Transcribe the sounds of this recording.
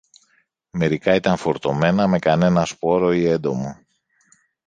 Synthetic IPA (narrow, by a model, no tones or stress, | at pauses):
me̞ɾikɐit̪ɐɱfo̞ɾt̪o̞me̞nɐme̞kɐne̞nɐspo̞ɾo̞ie̞nd̪o̞mo